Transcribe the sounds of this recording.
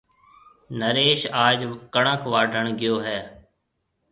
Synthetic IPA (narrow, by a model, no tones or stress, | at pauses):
nəɾeːʃaːd͡ʒkəɳəkʋaːɖʱəɳɡɪjoːɦɛː